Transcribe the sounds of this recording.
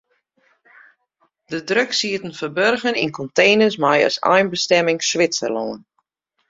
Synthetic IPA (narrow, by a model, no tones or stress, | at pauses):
d̥ədrøksiətən̩fəbørɣənḭnkɔntejnəsmajə̰sɛ̰jnbəstɛmɪŋsʋɪt͡sə̰lo̰ːən